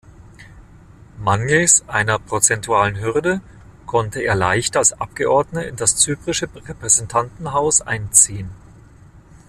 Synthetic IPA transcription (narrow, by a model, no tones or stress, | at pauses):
manjesʔaɪnɐpʁ̥ot͡sɛntʰuaːlənɦʏʁdə | kʰɔntəḛːɐla̰ɪçtalsʔap̚ɡ̥əʔɔɐdnəɪ̰ndast͡syːpʁ̥ɪʃəʁɛpʁ̥ɛzɛntʰantn̩ɦaʊsʔa̰ɪnt͡siːən